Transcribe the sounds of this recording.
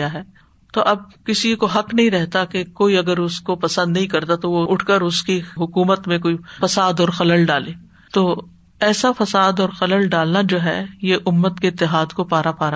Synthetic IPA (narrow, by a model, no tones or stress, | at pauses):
aɦɛː | t̪oʔɐb̚kɪsikoɦɐknɐɦĩɾɛɦt̪akekoːiɐɡəɾʊskopɐsə̃nd̪nɐɦĩkɐɾt̪at̪oʋoʊʈʰkəɾʊskiɦʊkuːmət̪mẽk̬oːifɐsaːd̪ɔːɾxɐləlɖaːleː | t̪oː | ɛːsafɐsaːd̪ɔːɾxɐləlɖaːlnad͡ʒoːɦɛ̰jeʔʊmːət̪keɪt̪ːɪɦaːd̪kopaːɾapaːɾa